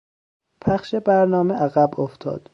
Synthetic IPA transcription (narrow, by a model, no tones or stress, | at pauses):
pʰæχʃebæɾnɒːmeʔæɣæboft̪ʰɒ̰ːd̪̥